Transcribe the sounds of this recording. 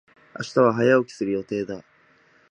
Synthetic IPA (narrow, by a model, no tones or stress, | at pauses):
a̰ɕi̥t̪aβ̞aɦajaokʲi̥sɨɾɯ̟jo̞t̪e̞ːd̪a